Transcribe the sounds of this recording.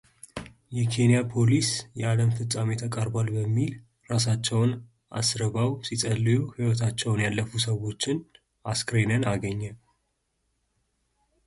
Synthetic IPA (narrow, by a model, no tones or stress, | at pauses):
jɛkʰe̞nijapʰo̞lisjɛaləmfɨt͡sʼamet̪ʰəkʼəɾbalbəmːil | ɾasat͡ʃːɛwn | ʔa̰sɾəβawsisʼəlːɨjuhiwɔt̪ʰat͡ʃːɛwnjalːəfusəwo̞t͡ʃːɪn | ʔaskɾenənaɡəɲːə